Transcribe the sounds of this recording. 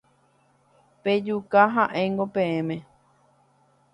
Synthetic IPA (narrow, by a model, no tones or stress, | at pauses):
ped͡ʒukaɦãʔẽ̞ŋɡopẽ̞ẽmẽ̞